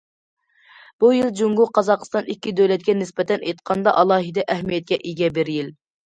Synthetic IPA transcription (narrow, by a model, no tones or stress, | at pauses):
b̥ujilˠd͡ʒuŋɡʊqʰɑzɑqst̪ɑnikʲːid̪øwlɛt̪̚kʲɛnɪspɛt̪ɛnejt̪qʰɑnd̪ɑʔɑlˠɑːɦɨd̪ɛʔæhmijɛt̪̚kʲɛʔiɡʲɛbɪɾjil